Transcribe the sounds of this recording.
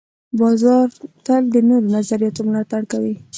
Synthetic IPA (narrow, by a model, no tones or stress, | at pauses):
bɑzɑɾt̪əld̪ənoɾonazaɾijɑt̪omlɑt̪aɽkawi